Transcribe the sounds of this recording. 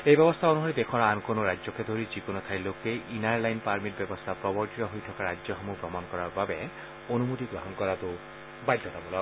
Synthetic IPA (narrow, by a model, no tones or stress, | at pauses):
ejbɛbɔst̪ʰaonuɦoɾid̪ekʰɔɹaankonoɾazɔkʰed̪ʱoɾid͡ʒikonot̪ʰajlokeʔinaɹlajnpaɹmit̚bɛbɔst̪ʰapɾɔbɔɹtitɔɦojt̪ʰɔkaɾad͡ʒzɔxɔmupɾɔmankɔɾaɹbabe | onumot̪iɡɾɔɦɔnkɔɾat̪o | bajd̪ʱːɔt̪abɔlɔ